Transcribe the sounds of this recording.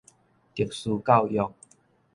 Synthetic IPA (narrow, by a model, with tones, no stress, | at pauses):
ki˨˩ək̚suː˧ka˥˨wjɔ˨k̚